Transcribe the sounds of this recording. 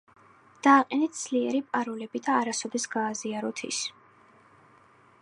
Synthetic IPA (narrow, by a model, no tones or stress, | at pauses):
d̪̥aːqʼɛnɛt̪̚ʰd̪z̥liɛɾipʼaɾulɛbid̪aːɾasɔd̪ɛsɡ̥aːziaɾɔt̪ʰḭs